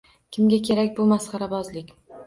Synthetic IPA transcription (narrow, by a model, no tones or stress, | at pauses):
kʲʰɪmɡʲakʲʰe̞ɾakʲbʊmasqɑɾabɒzlɪkʲ